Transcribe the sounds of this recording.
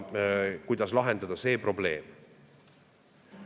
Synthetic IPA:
kujd̪̥ɑslɑɦe̞nd̪̥ɑd̪ɑse̞ːpro̞ble̞ːm

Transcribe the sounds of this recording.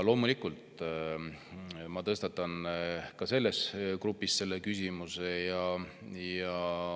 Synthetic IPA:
lo̞ːmulikult̪ | mɑt̪ɤst̪ɑt̪ːˑɑnkɑse̞lːe̞skrupːˑisse̞lːekysʲimuse̞jɑjɑ

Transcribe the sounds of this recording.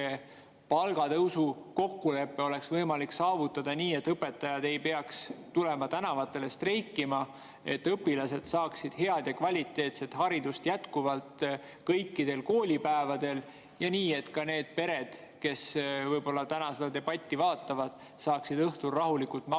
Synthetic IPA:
e | pɑlɡ̥ɑt̪ɤwsuko̞kːule̞pːeo̞le̞ksvɤjmɑliksɑːvut̪ːˑɑd̪̥ɑniːet̪ːɤpe̞t̪ːˑɑjɑd̪e̞jpe̞ɑkst̪ule̞mɑt̪ænɑvɑt̪ːˑe̞le̞st̪rejkːimɑ | e̞̰t̪ːɤpːilɑse̞d̪̥sɑːksid̪̥he̞ɑd̪̥jɑkvɑlʲit̪ːˑe̞ːt̪se̞t̪hɑɾid̪ust̪jæt̪kuvɑlt̪ | kɤjkːid̪̥e̞lko̞ːlʲipæevɑd̪̥e̞l | jɑniːe̞t̪kɑne̞ːd̪̥̚pe̞ɾe̞d̪̥ | ke̞svɤjbo̞lːɑt̪ænɑsed̪ɑd̪e̞b̥ɑt̪ʲːivɑːt̪ːˑɑvɑd̪̥ | sɑːksid̪ɤht̪urːɑɦulikult̪mɑ

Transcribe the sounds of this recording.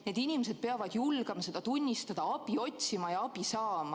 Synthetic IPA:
ne̞ːd̪̥inʲimese̞d̪̚pe̞ɑvɑd̪̥julɡ̥ɑmɑse̞d̪̥ɑt̪unʲːist̪ɑd̪̥ɑɑb̥io̞t̪ʲsimɑjɑɑb̥isɑːmɑ

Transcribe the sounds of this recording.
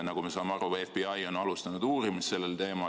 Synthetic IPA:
nɑɡ̥ume̞sɑːmeɑɾuefbiɑjo̞nɑlust̪ɑnud̪̥uːɾimisse̞lːelt̪e̞ːmɑ

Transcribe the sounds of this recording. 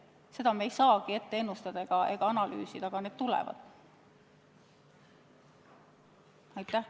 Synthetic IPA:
se̞d̪̥ɑmeejsɑːɡ̥ie̞t̪ːeenːust̪ɑd̪ɑeɡ̥ɑe̞̰ɡ̥ɑɑnɑly̰ːsid̪̥ɑɡ̥ɑne̞d̪̥t̪ulɛ̰vɑ̰d̪̥ | ɑjt̪ːˑæh

